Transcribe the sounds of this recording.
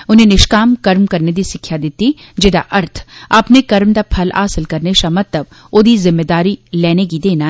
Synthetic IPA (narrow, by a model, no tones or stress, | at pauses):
ʊnɦẽnɪʃkaːmkɐɾmkɐɾned̪isɪkʰːjad̪ɪt̪i | d͡ʒɪd̪a̰ʔɐɾt̪ʰɐpnekɐɾmd̪apʰɐla̰ːsəlkɐɾneʃamɐt̪lɐb̚ | oːd̪izɪmːed̪aːɾileːnek̬id̪eːna